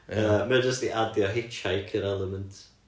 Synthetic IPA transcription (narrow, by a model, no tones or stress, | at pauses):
əməd͡ʒəstiʔadjɔɦɪt͡ʃʰajkʰəɾɛlˠəməntʰ